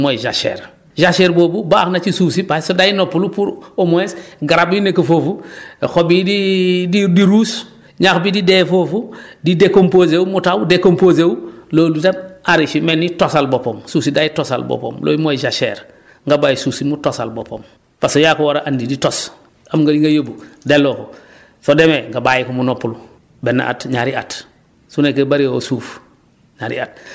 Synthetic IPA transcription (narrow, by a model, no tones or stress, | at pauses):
mojd͡ʒa̰ʃḛːɾ | d͡ʒaʃeɾboːbubaknat͡ʃisusibasodajinopulupuɾomoesɡaɾabinekofofuxobidididiɾuːs | ɲaxbididefofudidekompozewmutawudekompozewloːlutamaɾit͡ʃimenːitosalbopoːmsuːsidajitosa̰lbo̰po̰ːmlʔo̰ːjimoid͡ʒaʃḛːɾ | ŋɡabajisusimutosalbopom | fasojakowoɾaʔandiditos | amŋɡadiŋɡajobudeloko | sodemeŋɡabajikumunopːulu | benːa̰ʔa̰tɲaɾia̰t | sunekebaɾiosuːf | ɲaɾḭa̰t̚